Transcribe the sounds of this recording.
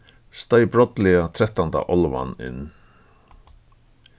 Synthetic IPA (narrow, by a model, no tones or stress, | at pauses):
st̪ajbɾɔt̪lɛat̪ʰɾɛht̪ːant̪a̰ʔɔlva̰nɪ̰nː